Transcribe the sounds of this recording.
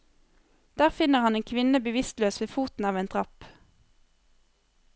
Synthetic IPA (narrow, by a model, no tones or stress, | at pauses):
d̪̥æːʁfɪnəʁhɑneːnkʰʋɪnəbəʋɪst̪løːsʋeːfuːt̪n̩ɑːʋeːnd̪ʁɑp